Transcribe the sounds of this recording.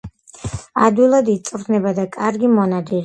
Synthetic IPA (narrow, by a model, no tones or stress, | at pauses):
ad̪wilˠad̪it̪sʼɾt̪ʰnɛbad̪akʼaɾɡimɔnad̪iɾi